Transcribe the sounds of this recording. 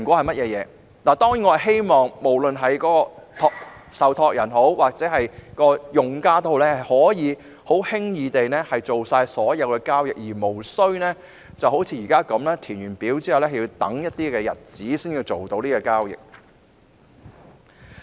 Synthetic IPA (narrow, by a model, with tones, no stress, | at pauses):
kʷɔː˨˧hɐ˨jmɐ˥t̚jɛː˨˧jɛː˨˧ | naː˨˩t̪ɔː˥ŋjiː˨˥ŋɔː˨˧˥ɦe˥jmɔː˨ŋmo˨˩wlɵ˨nɦɐ˨jkɔː˨˥kɔː˧t̪ʰɔː˧ksɐ˨wt̪ʰɔː˧k̚jɐ˨˩nɦo˨˥wwaː˨k̚t͡sɛː˨˥ɦɐ˨jkɔː˧jʊ˨ŋkaː˥t̪o˥ho˨˧lɛː˥ɐ˨jhɔː˨˥jiː˨˧ | ho˨˥whɪ˥ŋjiː˨˧t̪e˨jnɛː˥hɐ˨jt͡ʃo˨wsaː˧jsɔː˨˥jɐ˨˧wkɛː˧kaː˥wjɪ̰˨k̚jiː˨˩mo˨˩wsɵ˥ɥnɛː˥ | t͡sɐ˨who˨˥wt͡sʰiː˧jiː˨˩kaː˥kɐ˨˥mlɛː˥t̪ʰiː˨˩nɥyː˨˩npiː˨˥wt͡si˥hwlɛː˥hji˧wt̪ɐ̰˨˥ŋjɐ˥t̚t̪iː˥kɛː˧jɐ̰˨˩t̚t͡siː˨˥siː˥njiː˧wt͡so˨wt̪o˨˧wniː˥kɔ˧kaː˥wjɪ̰˨k̚